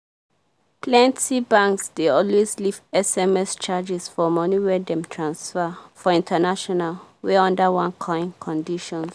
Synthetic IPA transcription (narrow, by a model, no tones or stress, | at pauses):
pʰlɛ̃ntsibãŋksd̥eɔlweslivɛsɛmɛst͡ʃad͡ʒɛsfɔmɔniwɛdɛ̃mtʰɹãnsfəfɔĩntʰənaʃɔnalwɛɔ̃ndəwãnkʰɔ̃ĩnkʰɔ̃ndiʃɔ̃ns